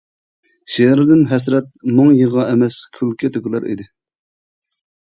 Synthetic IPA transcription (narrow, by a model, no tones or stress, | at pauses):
ʃeɾɪd̪ɪnɦɛs̬ɾɛt̪̚moŋjəʁɑʔɛmɛskʲʰylkʲʰɛt̪ʰøkʲɪlˠæɾʔḭd̪ɪ